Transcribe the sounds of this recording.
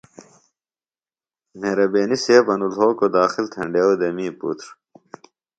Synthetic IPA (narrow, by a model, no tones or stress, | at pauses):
meːɾɐbeːniseːbɐnulɦoːkod̪aːxilt̪ʰɐ̰ɳɖewd̪ɐmiːpṵt̪ɾ